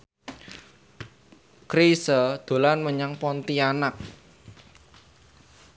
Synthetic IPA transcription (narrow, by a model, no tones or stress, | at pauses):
kɾisəd̪̥o̤lanməɲaŋpɔnt̪ianak̚